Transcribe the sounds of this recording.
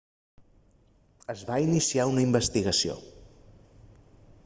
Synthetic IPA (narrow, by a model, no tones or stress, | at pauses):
əzβainisiaunəimbəst̪iɣəsio̰